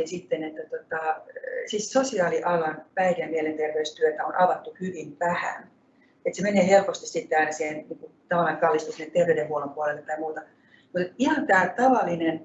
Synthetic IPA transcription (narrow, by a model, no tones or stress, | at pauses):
nsit̪ːenet̪ːæt̪ot̪ɑsiːssosiɑːliʔɑlɑnpæirænmielent̪erʋeyst̪yøt̪æonɑʋɑt̪ːuhyʋimʋæhæ̰n | et̪semeneːhelpost̪issit̪ːeɑinæsihenniːŋkut̪ɑʋɑlːɑːkɑlːist̪usnːet̪t̪erʋeydehuolompuolelːet̪t̪ɑimuːt̪ɑ | mut̪et̪ihɑnt̪æːt̪ɑʋɑlːˑinen